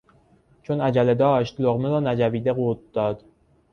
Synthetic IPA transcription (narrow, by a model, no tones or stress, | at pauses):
t͡ʃʰonæd͡ʒæled̪ɒːʃt̪loɣmeɾɒːnæd͡ʒæviːd̪eɣot̪̚d̪̥ɒːd̪̥